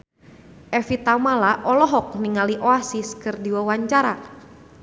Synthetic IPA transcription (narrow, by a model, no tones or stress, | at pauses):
ʔɛfit̪amalaʔɔlɔɦɔk̚niŋaliʔoasiskɨrdiwawaɲt͡ʃaɾa